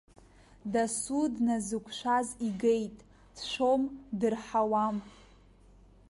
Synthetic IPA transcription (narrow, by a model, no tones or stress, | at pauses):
dasudnazɨkʷʰʃʷaziɡejtʼ | d̥ʃʷomdɨrħawam